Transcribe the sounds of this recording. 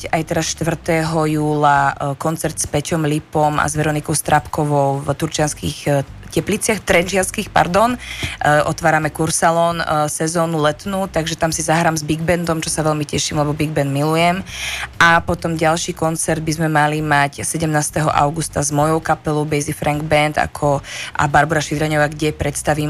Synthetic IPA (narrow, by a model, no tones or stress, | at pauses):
ajt̪ɛɾasʃt̪ʋr̩t̪ɛɦɔjuːlakɔnt͡sɛɾt̪spɛcɔmlipɔma̰zʋɛɾɔnikɔʊst̪ɾʔapkɔʋɔʊvt̪uɾt͡ʃɪanskixcɛplit͡sɪaxt̪ɾɛnʒɪanskiːxpa̰ɾd̪ɔnʔɔt̪ʋaːɾamɛkuɾsalɔnsɛzɔːnulɛt̪nuːt̪aɡʒɛt̪amsizaɦɾaːmzbiɡbɛnd̪ɔmt͡ʃɔsaʋɛlmicɛʃiːmlɛbɔbiɡ̚bɛnd̪milujɛmʔapɔt̪ɔmɟalʃiːkɔnt͡sɛɾd̪̚bizmɛmalimacsɛɟɛmnaːst̪ɛɦɔ̰ʔa̰ʊɡust̪azmɔjɔʊkapɛlɔʊbɛjzifɾaŋɡbɛnd̪a̰kʰɔʔa̰baɾbuɾaʃid̪ɾɛɲɔʋaːɡɟɛpɾɛt̪st̪aʋiːm